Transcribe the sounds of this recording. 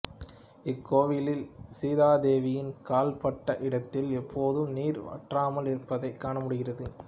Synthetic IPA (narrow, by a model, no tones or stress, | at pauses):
ɪkʰːoːʋɪlɪlsiːðaːd̪eːʋɪjɪnkaːlpɐʈːɐʔɪɽɐt̪ːɪlɛpʰːoːðɯmniːɾɐ̰ʈraːmɐlɪɾɯpːɐðɐɪkːaːɳɐmʊɽɯɣɪrɐðɯ